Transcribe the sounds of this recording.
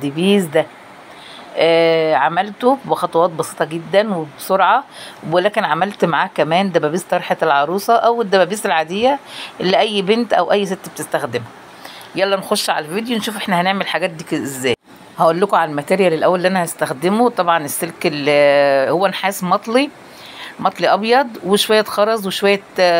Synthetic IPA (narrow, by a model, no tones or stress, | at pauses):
d̪ebiːzd̪æ | ʔæːʕamælt̪obexɑt̪ˤɑwɑːt̪̚bɑsiːt̪ˤɑɡed̪ːænwebsoɾʕɑwelæːkenʕamælt̪maʕaːhkæmæːnd̪æbæbiːst̪ɑɾˤħeelʕɑɾˤuːsˤɑʔæwed̪ːæbæbiːselʕad̪ejːæʔelːiʔæjːbent̪ʔæ̰wʔæjːset̪ːb̚t̪est̪æxd̪emhæ | jælːænxoʃːʕa̰læviːd̪jonʃuːfʔeħnæhæneʕmelħaɡæːt̪̚d̪iːkʔezːæːj | hæʔolːokoʕalælmæt̪æːɾjælelʔæwːælːiʔænæhæst̪æxd̪emot̪ˤɑbʕɑnesːelkelhowːænħaːsmɑt̪ˤli | mɑt̪ˤliʔɑbjɑd̪ˤweʃowæjːæt̪xɑɾˤɑzˤweʃowæjːæ